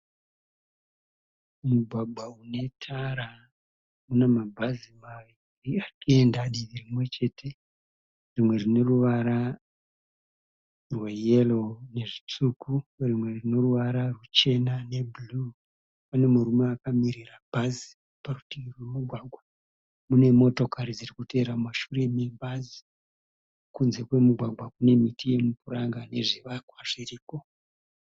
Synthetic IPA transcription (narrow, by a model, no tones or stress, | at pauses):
muɡʱwaɡʱwaune̞tʰaɾa | unemabʱazimaʋi | riakiendaɗiʋirimwe̞t͡ʃe̞tʰe̞ | rimwe̞rino̞ruʋaɾa | rwejelone̞ʐit͡sukurimwe̞rino̞ruʋaɾarut͡ʃe̞nane̞bulu | pane̞muɾumeakamiɾirabʱazi̥ | parutirwemuɡʱwaɡʱwa | mune̞mo̞to̞kaɾid͡zirikute̞ɾamaʃure̞mebazi | kunze̞kwe̞muɡʱwaɡʱwakune̞mitʰije̞mupuɾaŋɡane̞ʐiʋakwaʐiriːko̞